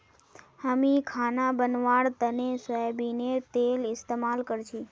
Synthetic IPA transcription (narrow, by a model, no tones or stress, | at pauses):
həmikʰanabənʋaɽt̪ənesəebinet̪elɪst̪emalkəɾt͡ʃʰi